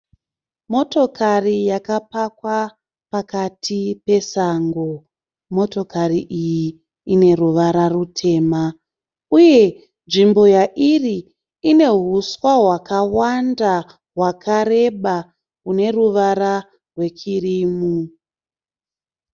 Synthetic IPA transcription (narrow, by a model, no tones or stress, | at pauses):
mo̞to̞kʰarijakapakwa | pakatʰipe̞saŋɡo̞ | mo̞to̞kariʔijiː | ne̞ruʋaɾarutʰe̞ːma | uje̞ | nʐimbo̞jaʔiriː | ne̞ɦuswaɦwakawanda | ɦwakʰaɾe̞ɓa | une̞ruʋaɾa | rwe̞t͡ʃiriːmu